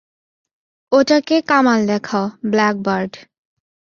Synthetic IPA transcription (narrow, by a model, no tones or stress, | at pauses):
oʈakekamald̪ɛkʰaoblɛk̚baɾɖ